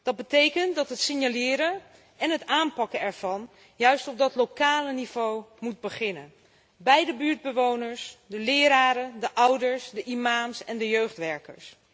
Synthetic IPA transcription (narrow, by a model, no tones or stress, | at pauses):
d̥ɑd̚bətejkəntdɑtɦətsɪnjalɪːɾə | ɛnɦətaːnpɑkəɛɹv̥ɑn | jœɥstɔb̚dɑtlokaːləniv̥owmud̚bəχɪnən | bɛjdəbyːɹd̚bəʋownəɹsdəlɪːɾaːɾədəʔʌwdəɹsdəʔimaːmsɛndəjøɥχtʋɛɹkə̰ɹs